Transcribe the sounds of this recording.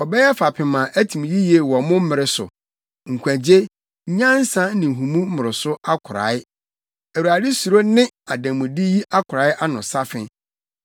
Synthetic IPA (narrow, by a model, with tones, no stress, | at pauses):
ɔ˨bɛ˦jɛ˦fa˨pʰɪ̃˨mã˨ʔæ˦tʰĩ˨m˨ji˦je˨wɔ˨mʊ̃˦m̩˦ɪ˨ɾɪ˨˦sʊ̰˨ | ŋ̩˨kʷʰæ̃˨d͡ʑe˦ | ɲ˦ɲã˦n̩˦sã˦n̩˦nɪ̃˨ɦũ˨mũ˦m̩˦mʊ˨ɾɪ˨sʊ˦a˦kʰʊ˨ɾa̰ː˨˦ɪ˦ | æ˨wu˨a˨dɪ˦su˨ɾo˦nɪ̃˦ | a˨dã˨mːũ˨di˦ji˦ʔa˦kʰʊ˨ɾa˨˦ɪ˦ʔa˦nʊ̃˨sa˦fɪ̃˦